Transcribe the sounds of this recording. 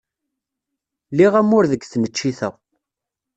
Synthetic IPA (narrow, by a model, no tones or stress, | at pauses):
liʁæmʊɾðəɡθnət͡ʃːiθəʁ